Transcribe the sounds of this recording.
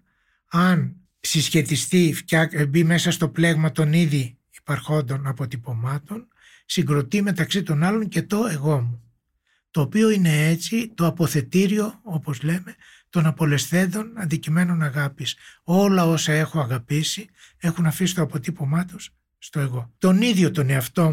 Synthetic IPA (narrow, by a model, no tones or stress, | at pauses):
ɐn | sisçe̞t̪ist̪ifçɐkbime̞sɐst̪o̞ple̞ɣmɐt̪o̞niði | ipɐɾxo̞nd̪o̞nɐpo̞t̪ipo̞mɐt̪o̞n | siŋɡɾo̞t̪ime̞t̪ɐksit̪o̞nɐlo̞ɲce̞t̪o̞e̞ɣo̞mu | t̪o̞ːpio̞ine̞et͡sit̪oɐpo̞θe̞t̪iɾio̞o̞po̞zle̞me̞ | t̪o̞nɐpo̞le̞sθe̞nd̪o̞nɐnd̪icime̞no̞nɐɣɐpiso̞lɐo̞sɐe̞xo̞ɐɣɐpisie̞xunɐfisi̥t̪o̞ɐpo̞t̪ipo̞mɐt̪osː | t̪o̞e̞ɣo̞t̪o̞niðʝo̞t̪o̞neɐft̪o̞